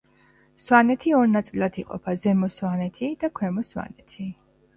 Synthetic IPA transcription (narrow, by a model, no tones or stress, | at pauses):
swanɛt̪ʰiɔɾnat̪sʼilat̪ʰiqʼɔ̰pʰazɛmɔswanɛt̪ʰid̪̥akʰwɛmɔswa̰nɛt̪ʰi